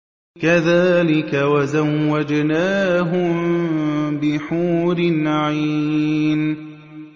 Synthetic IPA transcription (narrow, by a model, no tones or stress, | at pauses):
kaðaːlɪkawazawːad͡ʒnaːɦʊ | bɪħuːɾɪnʕiːn